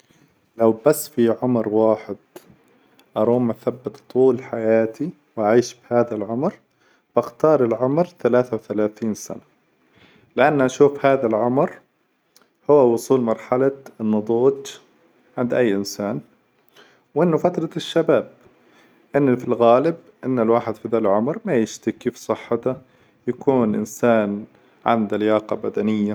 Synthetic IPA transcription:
lawbasːfiʕʊmɾwaːħɪd̪̥ | ʔɑɾˤuːmaθabːɪt̪t̪ˤːuːlħajaːt̪ʰi | waʕiːʃbɪhaːðalʕʊmɾ | b̥axt̪ɑːɾˤɪlʕʊmɾθalaːθawθalaːθiːnsa̰na | lɪʔanːʔaʃuːfhaːðalʕʊmɾ | hʊwːawʊsˤuːlmɑɾˤħalanːʊd̪ˤuːd͡ʒ | ʕɪnd̪ʔajːʔɪnsaːn | wʔɪnːʊfat̪ɾˤɑʃːabaːb̚ | ʔɪnːfilɣaːlɪb | ʔɪnːɪlwaːħɪd̪fiðaːlʕʊmɾmajɪʃt̪ɪkːiːfsˤɨħːɪt̪a | jakuːnʔɪ̰nsaːn | ʕɪ̰nd̪aljɑːqɑbad̪anɪjːa

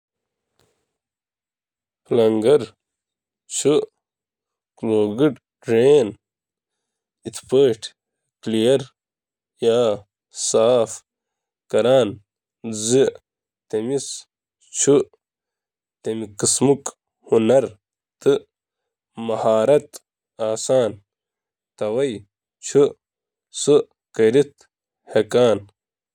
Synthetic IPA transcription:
plɐŋɡɐɾ | t͡ɕʰu | kloːɡiʈ | ʈɾeːn | it̪ʰpeːʈ | klijɐɾ | jaː | saːf | kɐɾaːn | zi | t̪emis | t͡ɕʰu | t̪emikismuk | hunɐɾ | t̪ɨ | mɐhaːɾɐt̪ | aːsaːn | t̪ɐwɐj | t͡ɕʰu | sɨ | kɐɾit̪ | hekaːn

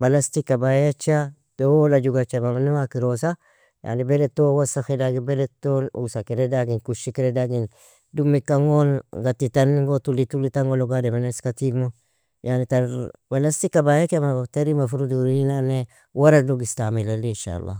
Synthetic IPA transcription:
balast̪ikːabajat͡ʃːa | d̥oolad͡ʒuɡat͡ʃːamamanuwakɪɾos̬a | ja̰nibeɾet̪ːowasaxedaɡɪbelet̪ːoṵsakɪɾedaɡɪnkuʃikɪɾedaɡɪn | dumːikːaŋonɡat̪ːit̪anŋɡot̪ulːit̪ulːit̪aŋɡoloɡademaneskat̪imo | janit̪balast̪ikːabajakemat̪aɾimafuɾuduɾiinane | waɾaduɡɪst̪amilalinʃa̰lːa̰

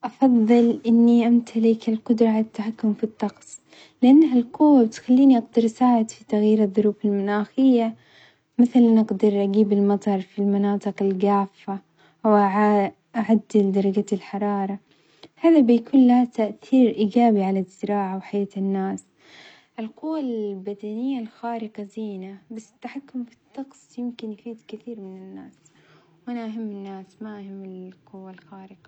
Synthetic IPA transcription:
ʔɑfɑðˤːɨlʔɪnːiʔamt̪ʰalɪkalqʊd̪ɾˤɑʕalat̪ːaħakːʊmfit̪ˤːɑqsˤ | lɪʔanːɦalqʊwːabɪt̪xalːiːniʔaɡd̪ɪɾˤʔsaːʕɪd̪fit̪aɣjiːɾɑðˤːʊɾuːfalmanaːxɪjːa | mɪθalanʔɪɡd̪ɪɾʔaɡiːbɪlmɑt̪ˤɑɾˤfilmanɑːt̪ˤɨqɪlɡaːfːa | ʔawʔaʕa | ʔaʕad̪ːɪld̪ɑɾˤɑɡaalħɑɾˤɑːɾˤɑ | haːðabɪjakuːnlat̪aʔθiːɾʔiːɡaːbiʕalaz̥ːɪɾaːʕawħajaːt̪ɪnːaːs | ʔɪlqʊwːalbad̪anɪjːalxaːɾɪqɑziːnabasːɪ̥t̪ːaħakːʊmbɪt̪ːɑqsˤjɪmkɪnjfiːd̪kɪθiːɾmɪnɪnːaːs | wʔanaʔaɦɪmːɪnːaːsmaʔahɪmːɪlqʊwːalxaːɾɪqɑ

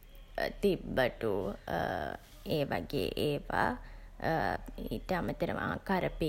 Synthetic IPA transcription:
t̪ibːəʈu | eːʋa̰ɡḛːʔeːʋa̰ | iʈəamət̪əɾə̰ʋʔa̰ːkaɾəpi

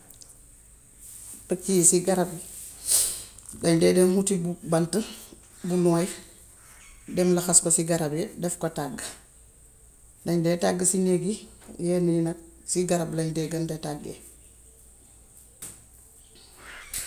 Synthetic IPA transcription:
pɐkisiɡaɾab | dɐɲdɛːdɛmhutibubantə | bunɔːj | dɛmlɐxaskosiɡaɾɐbɛdɛfkotaɡː | dɐɲdɛtaɡːəsineɡijɛninɐsiɡaɾɐblɐɲdɛɡɐndɛtaɡḛ

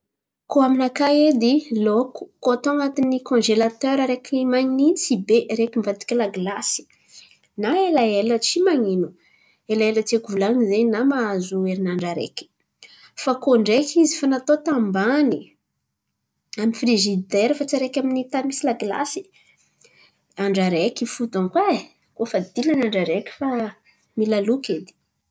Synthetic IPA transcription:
koaminakaed̪iloku̥koat̪oaŋat̪inikɔ̃nʒelat̪øɾaɾekʲiimaɲnit͡sibeʔɾekimvat̪i̥kʲilaɡlasi̥ | naelaelət͡simaŋinu | elaelət͡siekuvulanizenamaazueɾinaɳɖ͡ʐaɾḛkʲi̥ | fakoɳɖ͡ʐekʰʲizifanat̪ot̪ambani | amifriʒid̪eɾifat͡saɾekʲaminit̪amisilaɡla̰si̥ | aɳɖ͡ʐaɾekifut̪aŋkwa | kofad̪ilanaɳɖ͡ʐaɾekʲi̥fa | milalukʲed̪i̥

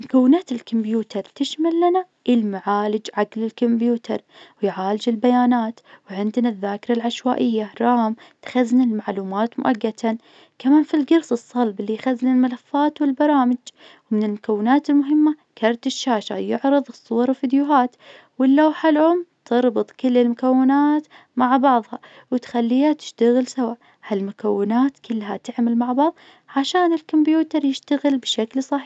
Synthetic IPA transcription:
mʊkawːɪnaːt̪ɪlkʊmbjuːt̪ɑɾˤt̪ɪʃmalːana | ʔɪlmaʕaːlɪd͡ʒʕaɡlɪlkʊmbjuːt̪ʰɑ̰ɾˤwɪjʕaːlɪd͡ʒɪlbajaːnaːt̪wʕɪnd̪naðːaːkɪɾˤalʕaʃwaːʔɪjːaɾˤɑːmt̪xaznalmaʕluːmaːt̪mʊ̰ʔaɡːat̪ʰa | kamaːnfilɡɑɾˤsɨsˤːɑlbɪlːijxaznalmalafːaːt̪wɪlbɑɾˤɑːmɪd͡ʒ | wmɪnɪlmʊkawːɪnaːt̪ɪlmʊɦɪmːakʰɑɾˤt̪ɪʃːaːʃa̰jʊʕɾɨðˤɨsˤːʊwɑɾˤwɪfid̪jʊɦaːt̪ | wɪlːawħalʕʊmːt̪ɨɾˤbɨt̪ˤkɪlːɪlmʊkawːɪnaːt̪ | maʕbɑʕðˤhɑ | wɪt̪xalːiːhat̪ɪ̥ʃt̪aɣɪlsawaʔ | halmʊkawːɪnaːt̪kʊlːɦat̪ɪʕmalmaʕbɑʕðˤ | ʕaʃaːnɪlkambjuːt̪ɑɾˤjɪʃt̪aɣɪlbʃaklsˤɑħ

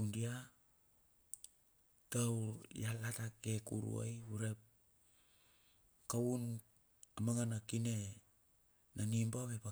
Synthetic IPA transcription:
undia | tawjalatakekṵɾṵa̰jhuɾep̚ | kawun | amaŋanakine | nanimbaβepa

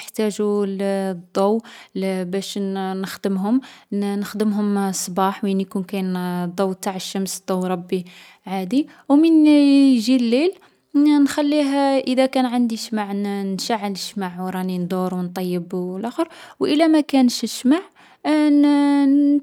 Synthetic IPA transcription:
əħt̪æʒu | d̪ˤːɑw | bæʃnəxd̪əmɦʊmnəxd̪əmɦʊmsˤbɑħminjkunkæjnd̪ˤɑwːt̪aʕəʃːæmsd̪̥ˤːɑwɾˤɑbːi | ʕad̪i | wmənʒilːil | nxælːiɦʔəd̪ækænʕənd̪iʃmaʕnnʃaʕːələʃmaʕwɾˤɑnind̪ˤuɾwnt̪ˤɑjːəblʔæxəɾwʔəlæmækænəʃʃmaʕ

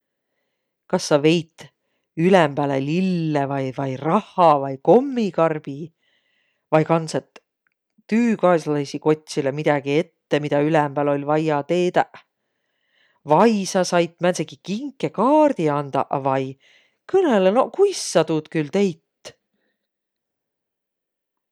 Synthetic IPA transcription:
kɑsːɑve̞jt̪ˑ | ylemb̥æːlelilːevɑjvɑjrɑhːɑvɑjko̞mːikɑrb̥i | vɑjkɑnset̪ː | yːkɑslɑjsiko̞t̪ʲsilemid̪̥ɑɡ̥ie̞t̪ːe̞mid̪ɑylɛmb̥æːlo̞lʲvɑjɑt̪e̞ːd̪ɑʔ | vɑjsɑsɑjt̪ːˑmænsekikiŋkːˑe̞kɑːrd̪̥iɑnd̪̥ɑ̰ʔvɑj | kɤneleno̞kujsːɑd̪ud̪̥kylt̪e̞jt̪ː

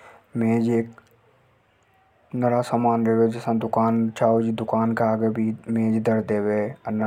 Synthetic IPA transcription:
meːd͡ʒeːk | nɐɾasaːmaːnɾeɦed͡ʒɪsãd̪ʊkaːnt͡ʃaːod͡ʒid̪ʊkaːnkaaːɡebʱimẽːd͡ʒd̪əɾd̪eːweɐnː

